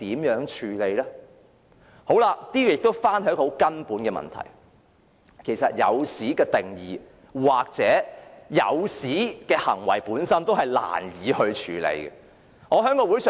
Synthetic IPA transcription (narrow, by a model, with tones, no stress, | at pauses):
t̪iː˨˥mjœː˨˥ŋt͡ʃʰyː˨˧le˨˧jlɛː˥ | ho˨˥wlaː˧t̪iː˥jy˨˧jɪ˨k̚t̪o˥wfaː˥nhjkːɔ˧ho˨˥wkɐ˥npuː˨˥nkɛː˧mɐ̰˨nt̪ʰɐ̰˨˩j | kʰe˨˩jsɐ˨t̚jɐ̰˨˧wsiː˨˥kɛː˧t̪ɪ˨ŋjiː˨ | waː˨k̚t͡sɛː˨˥jɐ̰˨˧wsiː˨˥kɛː˧hɐ̰˨˩ŋwɐ˨˩jpuː˨˥nsɐ˥nt̪o˥whɐ˨jla̰ː˨˩njiː˨˧hɵ˧ɥt͡ʃʰyː˨lḛ˨˧jɡɛ̰˧ | ŋɔː˨˧ɦœː˨˥ŋkɔː˧wuː˨˥jsœː˨